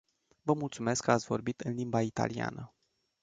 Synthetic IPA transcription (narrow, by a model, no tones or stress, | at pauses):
vəmult̪sume̞skːəat̪sʲvo̞̰rbit̪ɨnlimbait̪a̰lia̰nə